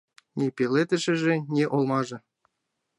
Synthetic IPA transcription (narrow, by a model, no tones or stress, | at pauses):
nʲepʲelʲet̪ɘ̆ʃɘ̆ʒĕnʲeʔolˠmɑʒɤ̆